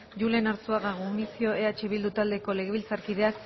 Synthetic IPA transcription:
ʝule̞naɾt͡suaɣaɣonisio̞e̞at͡ʃeβild̪ut̪ald̪eko̞le̞ɣ̞e̞βilt͡saɾkið̞e̞ak

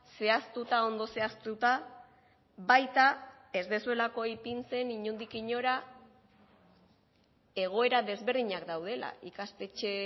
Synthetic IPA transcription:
se̞ast̪ut̪ao̞nd̪o̞se̞ast̪ut̪a | βajt̪a | e̞zd̪e̞sue̞lako̞jpint͡se̞niɲund̪ikiɲo̞ɾa | e̞ɣ̞o̞e̞ɾaðe̞zβe̞ɾðiɲakd̪awð̞e̞la̰ikast̪e̞t͡ʃe̞

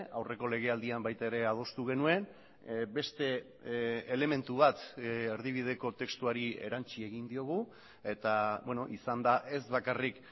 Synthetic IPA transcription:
awre̞ko̞le̞ɣ̞e̞ald̪iambajt̪aeɾe̞að̞o̞st̪uɣe̞nue̞n | be̞st̪e̞ | ele̞me̞nt̪uβat̪eɾðiβ̞ið̞e̞ko̞t̪e̞kst̪uaɾie̞̰ɾant͡ʃie̞ɣind̪io̞ɣ̞u | e̞t̪aβweno̞ʔisand̪aʔe̞zβakarik

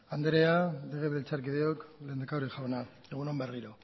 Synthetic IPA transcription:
and̪ɾe̞ad̪eɣeβilt͡saɾkið̞eokle̞ːnd̪akawɾixawna | eɣ̞unomberiɾo

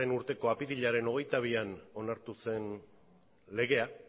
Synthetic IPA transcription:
e̞nuɾt̪e̞ko̞apiðiʎaɾe̞no̞ɣ̞e̞jt̪aβ̞iano̞naɾt̪use̞n | le̞ɣ̞e̞a

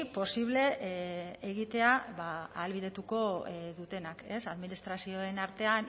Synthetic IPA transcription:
po̞siβ̞le̞ʔeɣ̞it̪e̞aβaaːlβiðe̞t̪uko̞ðut̪e̞nake̞saðminist̪ɾasio̞e̞naɾt̪e̞an

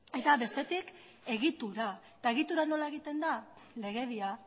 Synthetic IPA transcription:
e̞t̪aβe̞st̪e̞t̪ik | e̞ɣit̪uɾaet̪ae̞ɣ̞it̪uɾano̞lae̞ɣit̪e̞nd̪ale̞ɣ̞e̞βia

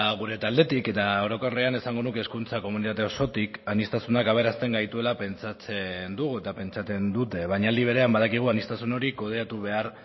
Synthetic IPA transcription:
ɣ̞uɾe̞t̪ald̪e̞t̪ike̞t̪aoɾo̞ko̞reane̞saŋɡo̞nuke̞skunt͡sako̞munit̪at̪e̞o̞so̞t̪ikanist̪asunakaβ̞e̞ɾast̪e̞ŋɡajt̪ue̞lape̞nt͡sat͡se̞nd̪uɣue̞t̪ape̞nt͡ʃat͡se̞nd̪ut̪e̞β̞aɲald̪iβ̞eɾeambaðakiɣ̞uanist̪asuno̞ɾiko̞ð̞eat̪uβ̞e̞aɾ

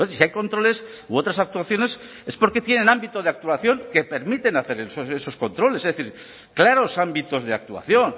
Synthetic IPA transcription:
esiajko̞nt̪ɾo̞le̞s | uo̞t̪ɾasak̚t̪uaθjo̞ne̞s | e̞spo̞ɾke̞t̪je̞ne̞nãmbit̪o̞ð̞eak̚t̪uaθjo̞ŋke̞pe̞ɾmit̪e̞naθe̞ɾesoseso̞sko̞nt̪ɾo̞lesezðeθiɾ | klaɾo̞sambit̪o̞zðea̰k̚t̪ua̰θjo̞n

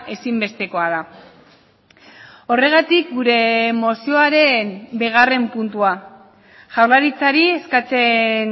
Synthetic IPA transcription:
ʔe̞simbe̞st̪e̞ko̞aða | o̞re̞ɣ̞at̪ik̚ɡuɾe̞mo̞sio̞aɾe̞mbiɣ̞are̞mpunt̪ua | ʝawɾlaɾit͡saɾie̞skat͡se̞n

